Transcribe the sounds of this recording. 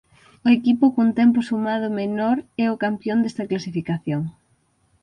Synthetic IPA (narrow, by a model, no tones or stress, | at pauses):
ʊekipʊkunt̪ɛmpʊsumaðʊmenɔɾɛʊkampjond̪ɛst̪ɐklasifikaθjoŋ